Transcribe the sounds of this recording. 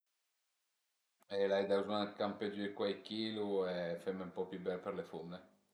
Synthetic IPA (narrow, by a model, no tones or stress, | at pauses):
ɛlajd̪azukampɛd͡ʒəd̪ikwajkiːluɛfeɾmeumpɔpːjubɛlperlefunːe